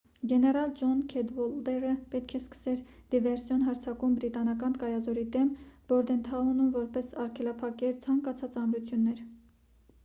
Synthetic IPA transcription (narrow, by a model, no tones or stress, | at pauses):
ɡɛnɛɾɑld͡ʒɔnkʰɛd̪vɔld̪ɛɾəpɛt̪kʰɛskə̥sɛɾd̪̥ivɛɾsjɔnɦɑɾt͡sʰɑkumbɾit̪ɑnɑkɑnkɑjɑzɔɾid̪ɛmb̥ɔɾd̪ɛnt̪ʰɑunumvɔɾpɛsɑɾkʰɛlɑpʰɑkɛɾt͡sʰɑŋkɑt͡sʰɑt͡sɑmɾut͡sʰjunːɛɾ